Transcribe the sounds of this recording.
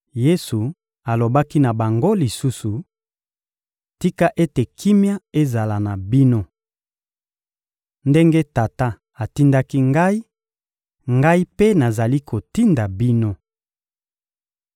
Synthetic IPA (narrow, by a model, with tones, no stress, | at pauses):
je˦su˨ | a˨lo˨ba˦ki˦na˨ba˨ŋɡo˦li˨su˦su˨ | ti˦ka˦ʔe˦te˨kʰi˦mja˦e˦za˨la˨na˨bi˦no˦ | nde˦ŋɡe˦ta˨ta˦ | a˨ti˦nda˦ki˦ŋɡa˦i˦ | ŋɡa˦i˦pe˦na˨za˨li˦kʰo˨ti˦nda˨bi˦no˦